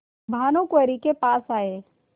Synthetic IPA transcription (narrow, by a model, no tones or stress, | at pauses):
bʱaːnõkwəɾikepaːsaːeː